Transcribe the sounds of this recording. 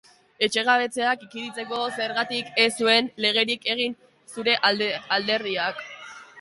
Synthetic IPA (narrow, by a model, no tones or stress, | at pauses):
e̞t͡ʃe̞ɣ̞aβe̞t͡se̞akikiðit͡se̞ko̞se̞ɾɣat̪ikesue̞nle̞ɣ̞e̞ɾike̞ɣ̞in | suɾe̞ʔald̪e̞ɾðiak